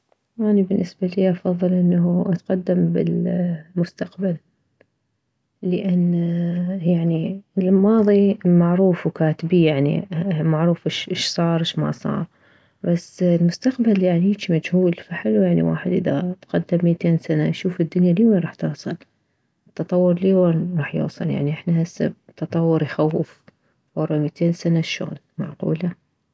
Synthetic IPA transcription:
ʔanibɪnːɪsbaliːʔɑfɑðˤːɨlʔɪnːaɦuʔat̪qad̪ːambɪ̰lmʊst̪aqbal | əʔanː | jaʕniɪlmɑːðˤimaʕɾuːfwkaːt̪ɪbijaʕnḭmaʕɾˤuːfʔɪʃʔɪʃsˤɑːɾˤɪʃma̰sˤɑ̰ːɾˤ | basːlmʊst̪aqbaljaʕnijit͡ʃimad͡ʒhuːlfaħɪlwjaʕnḭwa̰ːħɪd̪ʔɪða̰t̪qad̪ːɪmːit̪eːnsana̰ʃuːfɪd̪ːʊnjaliːwanɾˤɑːħt̪ɨwsˤɨl | t̪ːɑt̪ˤɑwːʊɾliːwanɾˤɑːħjo̰ːsˤɨ̰lja̰ʕniʔɪħnahasːa̰b̚t̪ːɑt̪ˤɑwːʊɾjxawɪf | fɑɾˤmit̪ʰeːnsanaʃo̰ɣl | ma̰ʕqṵːla

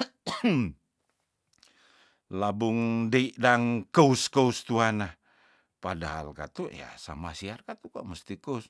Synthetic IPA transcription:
labʊŋdeiʔdaŋkəuskəust̪uanah | pada̰ɦa̰lka̰t̪uja̰sa̰masiarkat̪uka̰ʔməst̪ikəus

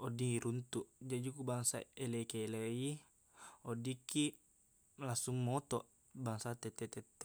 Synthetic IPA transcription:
ɔdiiɾunt̪uʔd͡ʒad͡ʒukubaŋsa̰elekeːlei | ɔdikːi | lasuŋːot̪ɔʔ | baŋsat̪ɛt̪ːɛt̪ɛt̪ːe

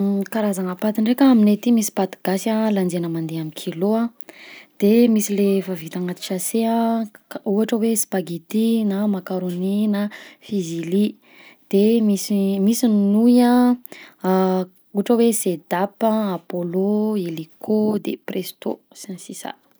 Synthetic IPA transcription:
kaɾazaŋapat̪iɳɖ͡ʐekəaminet̪imisi̥pat̪aɡ̥asaland͡zenəmand̪eamikʰiloã | d̪̥emisilefavit̪aŋat̪i̥ʃaseã | uaʈ͡ʂəwespaɡit̪inamakaɾoninafizili | d̪̥emisimisinnujã | uaʈ͡ʂəwesed̪apəapoloelikʰod̪ḛprest̪o̰ | sansisa̰

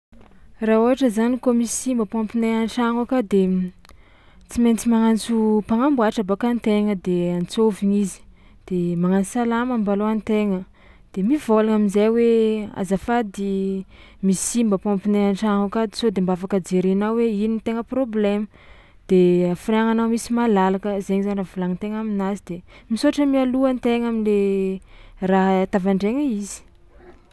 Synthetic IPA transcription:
rauɦaʈ͡ʂəzanikomisimbəpãmpineanʈ͡ʂaŋakad̪e | t͡siment͡simaŋant͡supaŋambuaʈ͡ʂabakant̪eŋəd̪eant͡soviŋizi̥ | d̪̥emaŋansalamambaloant̪eŋə | d̪̥emiv̥olaŋaminzajwea̰zafad̪i | misimbəpompineaɳʈ͡ʂaŋukad̪isod̪embafakəd͡ʒeɾenawweinint̪eŋəproblemə | d̪̥eafreaŋanamisimalalakəzeɲizanravulaŋit̪eŋaminazid̪emisoaʈ͡ʂəmialuant̪eŋamile | raɦt̪avaɳɖ͡ʐeŋəizi̥

